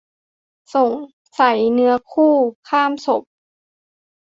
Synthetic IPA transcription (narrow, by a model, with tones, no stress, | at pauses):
so˨˩˦ŋ | sa˩˦jnɯ˨˦˥ɐkʰuː˥˩kʰaː˥˩mso˨˩˦p̚